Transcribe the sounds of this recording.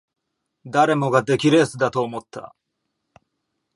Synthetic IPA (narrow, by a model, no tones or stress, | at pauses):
d̪aɾe̞mo̞ɡad̪e̞kʲiɾe̞ːsɨd̪at̪oːmo̞t̪ʰːa̰